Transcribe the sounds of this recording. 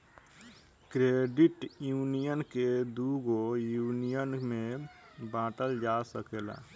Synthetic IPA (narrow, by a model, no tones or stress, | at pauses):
kɾeːɖɪʈjuːnijənked̪uɡojuːnijənmẽ | bãːʈəld͡ʒasəkeːla̰ː